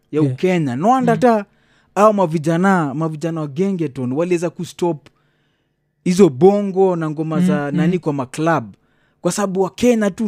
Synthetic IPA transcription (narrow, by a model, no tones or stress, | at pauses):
jaukɛɲanwandata | awɔmavid͡ʒanamaviʄanawaɡɛŋɡɛtɔnwaliɛzakustɔp | hizɔbɔŋɡɔnaŋɡɔmazananikwamaklab̚ | kwasaɓaɓuwakɛɲatu